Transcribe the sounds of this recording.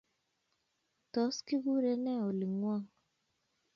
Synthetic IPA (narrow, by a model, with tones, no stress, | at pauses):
tɔ˨˦ski˦ɡu˦ɾe˦nɛ˦˨o˨li˨ŋwa˦ŋ